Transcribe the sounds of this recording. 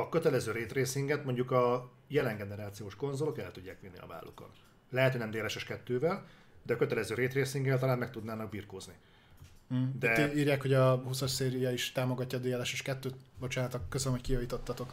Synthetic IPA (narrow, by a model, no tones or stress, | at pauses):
ɒkøt̪ɛlɛzøːɾeːt̪reːsiŋɡɛt̪mo̞ɲɟukɒ | jɛlɛŋɡɛnɛɾaːt̪sijoːʃko̞nzolo̞kɛ̰lt̪uɟːaːkʋinːḭɒ̰va̰ːlːʔṵkɒ̰t̪ | lɛɦɛt̪hoɟnɛmd̪eːlɛʃɛʃkɛt̪ːøːvɛl | d̪ɛɒkø̞t̪ɛlɛzøːɾeːt̪reːsiŋɡɛlt̪ɒlaːnmɛkt̪ud̪naːnɒɡ̚biːrkoːzni | d̪ɛiːrjaːkhoɟɒɦusorseːɾijɒiʃt̪aːmo̞ɡɒcːɒd̪eːlɛʃɛʃkɛt̪ːøːt̪bo̞t͡ʃaːnɒt̪ɒkːøzlømɦockijɒviːt̪o̞t̪ːɒt̪o̞k